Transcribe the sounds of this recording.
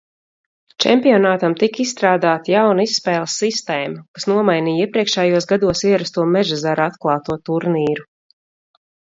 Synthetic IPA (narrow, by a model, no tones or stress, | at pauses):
t͡ʃɛ̰mpijɔnaːt̪amt̪ikisst̪ɾaːd̪aːt̪jawnaisːpɛːlˠsːist̪ɛːmakasnuɔmajniːjiɛpɾiɛkʃɛːjuɔsɡad̪uɔsiɛɾast̪uɔmɛʒazaɾat̪klˠɑːt̪uɔt̪uɾniːɾu